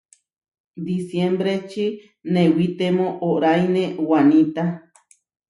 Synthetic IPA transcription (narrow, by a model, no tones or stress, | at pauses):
d̪isjembɾet͡ʃi | nẽwit̪emõʔoɾajnẽwanĩt̪a